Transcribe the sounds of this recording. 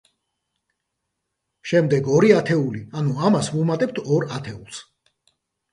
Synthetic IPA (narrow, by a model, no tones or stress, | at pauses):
ʃɛmd̪ɛɡɔɾiat̪ʰɛulianuamasvumat̪ʼɛp̚t̪ʰɔɾat̪ʰɛulˠs